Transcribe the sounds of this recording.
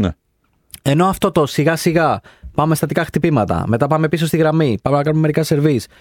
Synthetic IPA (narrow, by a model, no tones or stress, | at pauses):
nḛ | e̞no̞ɐft̪o̞t̪o̞siɣɐsiɣɐpɐme̞st̪ɐt̪ikɐxt̪ipimɐt̪ɐ̰me̞t̪ɐpɐme̞piso̞st̪iɣɾɐmipɐme̞nɐkɐnumemeɾikɐse̞ɾvis